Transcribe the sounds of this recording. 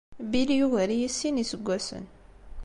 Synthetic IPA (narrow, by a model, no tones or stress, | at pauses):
biljuɣəɾijisːinisəɡʷːæsə̰n